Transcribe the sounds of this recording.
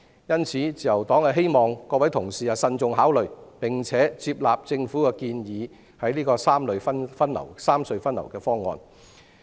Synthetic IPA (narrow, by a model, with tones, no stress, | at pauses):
jɐ˥nt͡sʰiː˨˥t͡siː˨jɐ˨˩wt̪ɔː˨˥ŋɐ˨ɦe˥jmɔː˨˩ŋkɔː˧wɐ˨˥jt̪ʰʊ˨˩ŋsiː˨jaː˨sɐ˧nt͡sʊ˨˧ŋɦaː˨˥wlɵ˨ɥpɪ˨˩ŋt͡sʰɛː˨˥t͡siː˧p̚laː˨p̚t͡sɪ˧ŋfuː˨˥kɛ˧kiː˧njiː˨˧˦ | hɐ˨˥jliː˥kɔː˧saː˥mlɵ˨ɥfɐ˥nfɐ˥nlɐ̰˨˩wsaː˥msɵ˧ɥfɐ˥nlɐ̰˨˩wkɛː˧fɔː˥ŋɔ̰ː˧n